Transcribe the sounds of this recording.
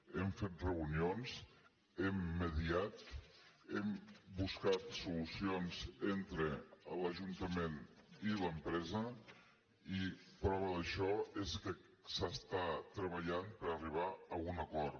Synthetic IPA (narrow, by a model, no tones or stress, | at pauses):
emfet̪̚rəunionz | emːəðiat̪ | embuskat̪sulusionzent̪ɾələʒunt̪əmeniləmpɾɛzə | ipɾɔβ̞əðəʃɔezkə | səst̪at̪ɾəβ̞əʎanpəɾəriβ̞aəunəkɔɾ